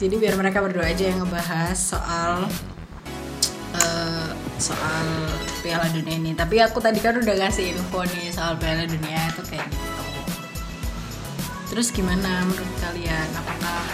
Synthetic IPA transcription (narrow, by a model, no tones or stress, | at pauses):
d͡ʒadibiarməɾekabərduaːd͡ʒajaŋəbaɦasːo̰ʔal | ʔə | so̰ʔalpealadunianit̪ap̬iakut̪adikanudahkasɪnukɔnisoalpealaduniait̪ukajaɡit̪u | t̪əɾʊsɡimanaməɾut̪̚kalianapakah